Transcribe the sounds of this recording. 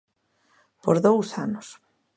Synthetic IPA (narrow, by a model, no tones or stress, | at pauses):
poɾðowsanʊs